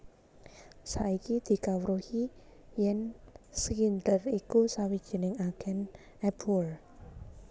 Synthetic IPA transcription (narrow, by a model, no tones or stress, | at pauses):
saikid̪̥i̤kawɾuhijɛnskind̪ərikusawid̥ʒ̥i̤nɪŋaɡ̥ɛn | ɛpʰul